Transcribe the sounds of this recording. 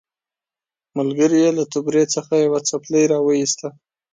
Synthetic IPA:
malɡəɾijelat̪ʊbɾet͡səxajawat͡sapləjɾɑwəjist̪a

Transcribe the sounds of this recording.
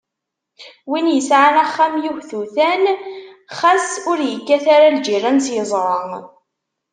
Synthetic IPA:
winjəsʕanæχːamjuhθuθæn | χæsʊɾjəkːæθaɾald͡ʒirˤænsjəzˤɾˤɑŋ

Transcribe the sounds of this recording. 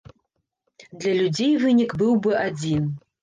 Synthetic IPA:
d̪lʲɐlʲud͡zʲejvɨnʲikbɨwbɨʔad͡zʲin

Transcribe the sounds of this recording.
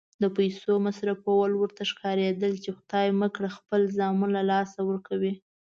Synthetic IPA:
d̪əpajsomasɾapowalwəɾt̪aʃkɑɾed̪əlt͡ʃexʊd̪ɑjməkɽaxpəlzɑmunlalɑsawəɾkʰawi

